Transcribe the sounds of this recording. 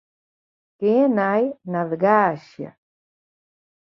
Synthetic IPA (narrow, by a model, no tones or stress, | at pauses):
keːnajnaðɡaːʃja̰